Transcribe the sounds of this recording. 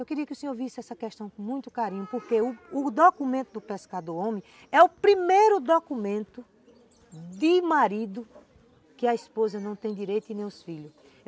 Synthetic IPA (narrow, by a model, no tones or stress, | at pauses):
ewkɪɾiɐkɪʊsẽɲoɾvisɪɛsɐkɛʃt̪ɐ̃w̃kõmũj̃t̪ʊ̥kaɾĩɲʊpoɾkeʊʊd̪okumẽnt̪ʊd̪ʊpeskad̪oɾõmɪ̃ | ɛʊpɾimejɾʊd̪okumẽnt̪ʊ | d̪ɪmaɾid̪ʊ | kɪɐispozɐnɐ̃w̃t̪ẽj̃d̪iɾejt̪ʊĩnẽj̃ʊsfiʎʊs